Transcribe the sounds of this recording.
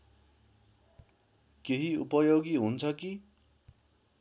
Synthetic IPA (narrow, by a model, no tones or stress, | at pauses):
keɦiṵpʌjoɡiɦunt͡sʰʌki